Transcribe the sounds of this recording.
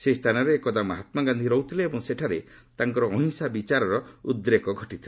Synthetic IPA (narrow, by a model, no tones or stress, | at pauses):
seist̪ʰanɔɾeːkɔd̪amaɦat̪maɡand̪ʱiɾɔut̪ʰileːbɔŋseʈʰaɾet̪aŋkɔɾɔːɦiŋsabit͡ʃaɾɔɾɔud̪ɾekɔɡʱɔʈit̪ʰile